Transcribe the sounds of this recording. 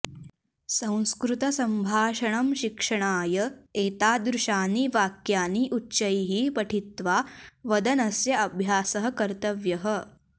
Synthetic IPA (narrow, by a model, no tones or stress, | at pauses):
sɐ̃w̃skɾut̪ɐsɐmbʱaːʃɐɳɐmʃikʂɐɳaːjɐeːt̪aːd̪ɾuʃaːniʋaːkjaːniʔutːt͡ʃɐjɦipɐʈʰit̪ʋaːʋɐd̪ɐnɐsjɐɐbʱjaːsɐɦɐ̆kɐɾt̪ɐʋjɐɦə